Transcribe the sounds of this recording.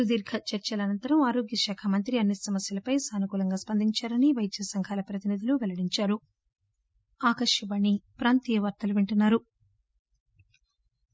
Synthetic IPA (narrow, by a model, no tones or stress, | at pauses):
ud̪iːɾɡʰɐt͡ʃɐɾt͡ʃɐlɐnɐnt̪ɐɾɐmaːɾoːɡjɐʃaːkʰɐmɐnt̪ɾiɐnːisɐmɐsjɐlɐpɐjsaːnukuːlɐŋɡaːspɐnd̪ʱiɲt͡ʃaːɾɐniʋɐjt̪ːɐsɐŋkʰaːlɐpɾɐt̪inid̪uluʋɛlɐɽiɲt͡ʃaːɾu | aːkɐʂjɐʋaɳːipɾaːnt̪iːjɐʋɐɾt̪ɐluʋeɳʈunːaːɾu